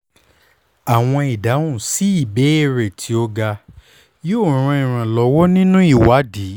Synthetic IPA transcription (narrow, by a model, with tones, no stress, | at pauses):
a˨w̃ɔ̃˧i˨dã˨˦ũ˦˨si˨˦i˦˨be˨˦e˦˨ɾe˨tʰi˧o˧ɡa˧ | joː˦˨ɾ̃ũ˧ĩ˨ɾ̃ã˨lɔ˨˦wɔ˦nĩ˦nũ˦i˦˨wa˨˦di˨˦